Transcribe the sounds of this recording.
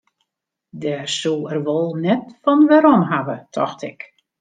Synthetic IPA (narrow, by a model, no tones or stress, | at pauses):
dɛsuɛrʋolˠnɛtfɔnʋɛɾɔmɦaʋətʰɔ̰xtʰɪk